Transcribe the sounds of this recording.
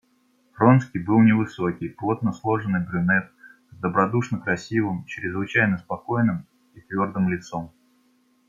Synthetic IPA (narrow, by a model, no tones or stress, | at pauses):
fɾo̞nskʲijbɨlˠnʲɪvɨso̞kʲɪjplˠo̞t̪̚nəslˠo̞ʐɨnɨjbɾʲʊnɛt̪̚ | zd̪əbɾɐd̪uʂnəkɾɐsʲivɨmt͡ɕɾʲɪzvɨt͡ɕæjnəspɐko̞jnɨm | it̪vʲo̞rd̪ɨmlʲɪt̪so̞m